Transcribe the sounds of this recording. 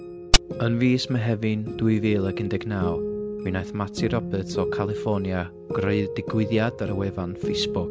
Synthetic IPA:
ənviːsmaɦɛvɨnduɨvɨːlˠəɡɪndɛɡnaːwminajθmatʰiɾɔbɛtʰɔkʰalˠɪfɔnja | ɡ̥roɨðdɪɡwɪðjadaɾəwɛvanfejsbʊk

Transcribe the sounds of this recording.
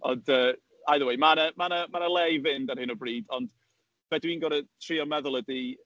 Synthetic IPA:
ɔ̰ndəː | ajðəwejmanəmanəmanəlˠɛjvɪndarhɪnɔbriːdɔnd̥ | vɛdwiːnɡɔɾətʰr̥iɔmɛðʊlˠədi

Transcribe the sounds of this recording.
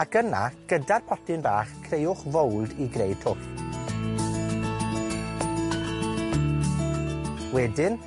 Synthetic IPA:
aɡəna̰ɡ̥ədarpʰɔtɪnbaːχkʰrejʊχvowlˠdiɡrejtʰʊpʰ | wɛdɪn

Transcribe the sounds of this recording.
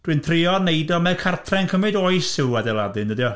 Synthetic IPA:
d̥wɨntʰrɪɔnejdɔmɛkʰartʰrɛŋkʰəmɨdoɨsɪwadɛlˠadɨndədjɔ

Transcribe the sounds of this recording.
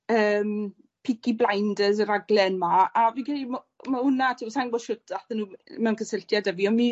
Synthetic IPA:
əːm | pʰɪkʰiblˠajndəzəɾaɡlɛnmaːvinkʰalim | mahʊnatʰisaŋɡɔʃʊtʰaθənuːmɛwnkʰəsɪltʰjadɛviɔnmi

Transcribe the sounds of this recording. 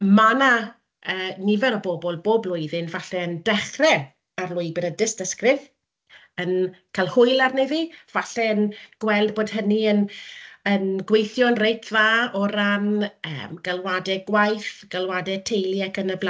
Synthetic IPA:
mana | əːnɪvɛɾɔbobɔlˠboːblˠʊjðɪnvaɬɛəndɛχrɛ | arlˠʊɨbɪɾədɪstəskrɪð | ənkʰalˠhʊɨlˠarnɪðiv̥aɬɛənɡ̥wɛlˠdboːd̥ɦəniənənɡwejθjɔnrejtʰðaɔɾanə̰mɡ̥alˠwadɛɡwajθɡ̥alˠwadɛtʰejlˠiakənəbl

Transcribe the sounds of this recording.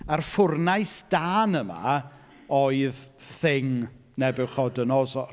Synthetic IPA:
arfʊrnajsd̥aːnəma̰ | oɨðθɪŋ | nɛbɪwχɔdənɔsɔ

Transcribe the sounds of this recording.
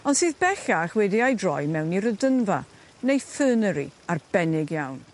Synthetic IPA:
ɔndsɨːðbɛɬaχwɛdiajdrɔjmɛwniɾədənva̰ | nejθəːnəɾḭarb̥ɛnɪɡjawn

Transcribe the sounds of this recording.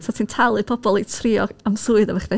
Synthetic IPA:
sɔtʰiːntʰalˠɨpʰɔbɔlˠitʰriɔ̰ɡ̥amsuɨðɔvaχvɛ

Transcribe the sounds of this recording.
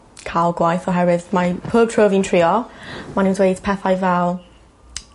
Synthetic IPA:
kʰalˠɡwajθɔɦɛɾɪðmapʰəːb̚tʰroːvintʰr̥iːɔmanindwejdpʰɛθajvɛlˠ

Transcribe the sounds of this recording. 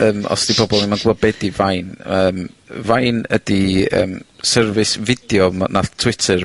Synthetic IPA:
əːmɔ̰sd̥ibʰɔbɔlˠnimanɡɔbɛdivajnəːmvajnədiə̰ːmsɛrvɨsvɪd̥jɔmnatʰw̥ɪtʰər

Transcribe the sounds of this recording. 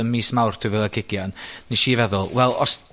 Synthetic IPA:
ənmiːsmawrtʰuivɪlˠaɡɪɡjannːiʃiːvɛðʊlˠwɛlˠɔs

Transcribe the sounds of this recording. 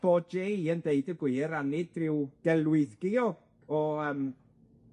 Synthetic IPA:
b̥ɔd͡ʒeəndeɨdəɡwɪːɾanɪd̚rɪwɡ̥ɛlˠwɪθɡɪɔ | ɔəːm

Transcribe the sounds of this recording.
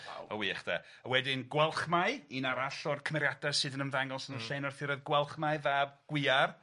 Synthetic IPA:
ɔ̰wiɛχd̥a̰ | əwɛdɪnɡwɛlˠχmaɨinaɾaɬɔrkʰəmɛɾjadasɨðənənvaŋɔlˠsənənɬejnɔrθɪɾɛðɡwɛlˠχmaɨðaːb̚ɡ̥wɪar

